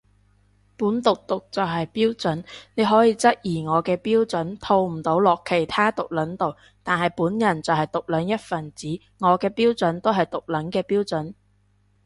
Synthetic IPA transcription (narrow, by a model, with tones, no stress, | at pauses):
puː˨˥nt̪ʊ˨k̚t̪ʊ˨k̚t͡sɐ˨wɦɐ˨jpiː˥wt͡sɵ˨˥nne˨˧ɦɔː˨˥jiː˧t͡sɐ˥t̚jiː˨˩ŋɔː˨˧kɛː˧piː˥wt͡sɵ˨˥nt̪ʰo˧wm̩˨˩t̪o˨˥wlɔː˨˩kʰːe˨˩jt̪ʰaː˥t̪ʊ˨k̚lɐ˨˥nt̪o˨w | t̪aː˨nhɐ˨˩jpuː˨˥njɐ˨˩nt͡sɐ˨whɐ˨jt̪ʊ˨k̚lœː˨˥ŋjɐ˥t̚fɐ˨˩nt͡siː˨˥ | ŋɔː˨˧kɛː˧piː˥wt͡sɵ˨˥nt̪o˥wɦɐ˨jt̪ʊ˨k̚lɐ˨˥nkɛː˧piː˥wt͡sɵ˨˥n